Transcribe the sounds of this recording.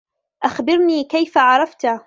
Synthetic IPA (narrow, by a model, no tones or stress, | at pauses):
ʔaxbɪɾniːkajfaʕɑɾˤɑft̪